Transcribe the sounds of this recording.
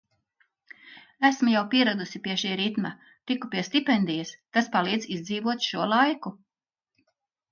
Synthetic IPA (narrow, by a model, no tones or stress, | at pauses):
æsmujawpiɛɾad̪usipʲiɛʃiːɾit̪ma | t̪ikupiɛst̪ipɛnd̪ijɐst̪aspalˠiːd̪zizd̪ziːvuɔt̪ʃuɔlˠajku